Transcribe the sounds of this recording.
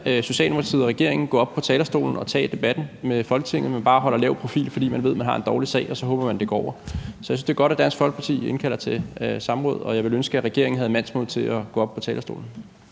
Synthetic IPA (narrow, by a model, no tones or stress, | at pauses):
so̝ɕɛ̰ːld̥emokʰɑt͡sʰið̩̰ˠɐʁɛɡ̥e̝ɐ̰eŋn̩ɡ̥ɔ̰̽ːɒ̽b̥̚pʰɒ̽t͡sʰɛːlɐsd̥o̝̰ːln̩ɒ̽t͡sʰɛ̰ːd̥e̝b̥æd̥n̩mefɒ̽lɡ̥ə̥t͡sʰe̝ŋ̰ð̩ˠmænb̥ɑ̈ːɦɒ̽l̰ɐlɛːʊpʰʁo̝fḭːlfɒ̽d̥ḭːmænʋ̝ðˠmænɦɑ̈e̝nd̥ɒːlisɛ̰ɪɒ̽sɒ̽ɦɔ̽ːb̥ɐmænd̥e̝ɡ̥ɒ̰ɒ̰ʊ̰ɐsɒjsyn̩sd̥e̝ɐɡɒ̽ɾ̥æd̥æn̰sfɒ̽lɡ̥pʰɑ̈t͡sʰḭːe̝nkʰæl̰ɐt͡sʰe̝sɑ̈mʁɔ̰̽ːðˠɒ̽jɑ̈ɪʋe̝lønsɡ̥əæʁɛɡ̥e̝̰ɐŋn̩ɦæðˠmæn̰smoð̰ˠt͡sʰe̝æɡ̥ɔ̽ːɒb̥̚pʰɒ̽t͡sʰɛːlɐsd̥o̝̰ːln̩